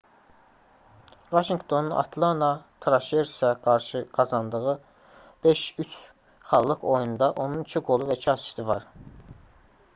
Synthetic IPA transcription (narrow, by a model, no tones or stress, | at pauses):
vɑʃiŋɡt̪ʰo̞nunʔɑ̰t̪ʰlˠɑnɑt̪ʰɾɑʃeɾsæɡɑɾʃɯɡ̥ɑzɑnd̪ɯʁɯ | b̥eʃyt͡ʃʰ | χɑlˠːɯkʰo̞jund̪ɑʔo̞nunicʰiɡo̞lˠuvæt͡ʃʰɑsi̥ʃt̪ɯvɑɾ